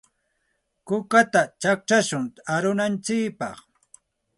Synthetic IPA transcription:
kʊkat̪at͡ʃak̚t͡ʃaʃʊŋaɾʊnant͡ʃɪkpɑ̰χ

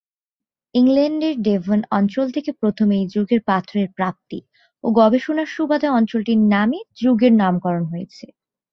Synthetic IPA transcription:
iŋleɳɖeɾɖevʱonɔnt͡ɕolt̪ʰekepɾot̪ʰomejd͡ʑuɡeɾpat̪ʰɾeɾpɾap̚t̪ḭ | oɡɔbeʃonaɾʃubad̪ʱaɔnt͡ɕolʈiɾnamed͡ʑuɡeɾnamkɔɾonɦojet͡ɕʰe

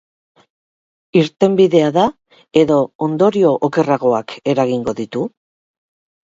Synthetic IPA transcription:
iɾt̪e̞mbiðe̞aða | e̞ðo̞ond̪o̞ɾio̞ʔoke̞raɣo̞ake̞ɾaɣiŋɡo̞ðit̪u

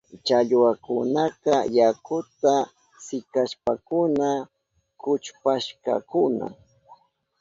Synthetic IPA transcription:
t͡ʃaʎwakʊnakajakʊt̪a | sɪkaʃpakʊna | kʊt͡ʃpaʃka̰kʊna̰

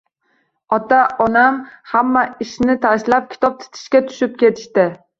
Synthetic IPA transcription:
ɒt̪ʰaʔɒnamhamːaɪʃnɪt̪ʰaʃlap̚kʲʰɪ̥t̪ʰɒp̚t̪ʰɪ̥t̪ʰɪ̥ʃkʲat̪ʰʊ̥ʃɪp̚kʲe̞t̪ʰɪ̥ʃt̪ɪ

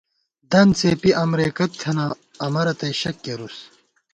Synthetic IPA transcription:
d̪ɐnt͡seːpiʔɐmɾeːkɐt̪ʰːɐna | ɐmɐɾɐt̪ɐjɕɐkːeɾus

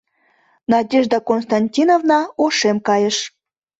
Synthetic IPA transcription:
nɑd̪ʲeʒd̪ɑkonst̪ɑnʲtʲinovnɑoʃemkɑjə̆ʃ

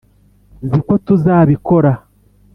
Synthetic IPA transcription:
ziko̞tuzaːβiko̞ɾa

